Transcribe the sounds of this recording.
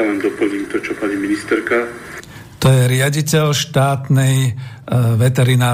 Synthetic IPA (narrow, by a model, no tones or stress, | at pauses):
alɛnd̪ɔpl̩ɲiːmt̪ɔt͡ʃɔpaɲiminist̪ɛɾka | t̪ɔjɛɾɪaɟicɛlʃt̪aːt̪nɛj | ʋɛt̪ɛɾinaː